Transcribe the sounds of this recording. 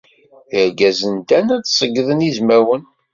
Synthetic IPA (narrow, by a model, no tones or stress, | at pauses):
jəɾɡæzənt̪ænæt͡ssˤəɡːðənizmæwən